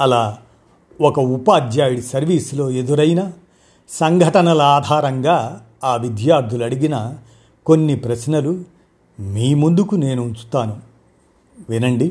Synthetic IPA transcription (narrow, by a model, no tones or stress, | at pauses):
ɐlaː | ɔkɐupaːd͡ʒ̪jaːjuɽisɐɾʋiːslo̞ːe̞d̪uɾɐjnɐ | sɐŋɡʱɐʈɐnɐlɐaːd̪ʱaːɾɐŋɡaː | aːʋid̪jaːɾd̪ʱulɐɽiɡinɐ | ko̞nːipɾɐsnɐlu | miːmund̪ukune̞ːnuːnt͡ʃu̥t̪aːnu | ʋinɐɳɖi